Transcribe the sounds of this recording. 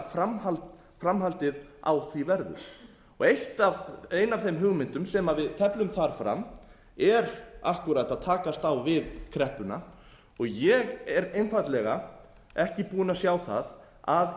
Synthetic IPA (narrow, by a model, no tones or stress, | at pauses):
famal | fɾamɦalt̪ɪða̰wθvivɛɾðʏ̰ | ɔ̰ɣejht̪avejnavθejmɦʏɣmɪnt̪ʏmsɛmavɪðt̪ʰɛplʏmθaɾ̥fɾa̰m | ɛɾahkʏɾajt̪aðt̪ʰaːkast̪awvɪðkʰɾɛhpʏna | ɔɣjɛɣɛɾejnfat̪lɛɣa | ɛhcɪpuːʏnasjaːwθa̰ð | að